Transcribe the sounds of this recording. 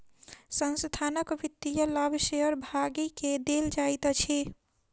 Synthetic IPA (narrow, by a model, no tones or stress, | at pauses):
sə̃nst̪ʰanəkʋit̪ːijələbʱseəɾbʱaɡiked̪eld͡ʒajt̪t͡ʃʰi